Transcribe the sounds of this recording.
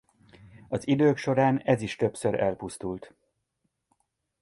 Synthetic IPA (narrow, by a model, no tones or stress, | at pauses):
ɒzid̪øːkʃo̞ɾaːnɛziʃt̪ø̞psøɾɛlpust̪ult̪